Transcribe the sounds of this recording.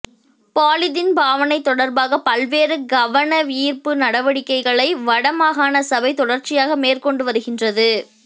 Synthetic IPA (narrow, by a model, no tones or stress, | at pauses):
paːlɪðɪnbaːʋɐnɐɪt̪ːɔɽɐɾbaːɣɐpɐlʋeːɾɯɡɐʋɐɳɐʋiːrpɯnɐɽɐʋɐɽɪkːɐɪɣɐɭɐɪʋɐɽɐmaːɣaːnɐsɐbɐɪt̪ɔɽɐɾt͡ʃɪjaːɣɐmeːrkɔɳɖɯʋɐɾɯɣɪndrɐðɯ